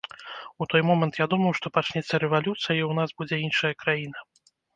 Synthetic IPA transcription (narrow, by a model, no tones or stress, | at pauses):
ut̪ɔjmɔmɛnt̪jad̪umɐwʂt̪ɔpat͡ʂnʲɛt̪sːɐɾɛvalʲut̪sɨjɐɐiwnasbud͡zʲɛinʂɐjɐkɾajinɐ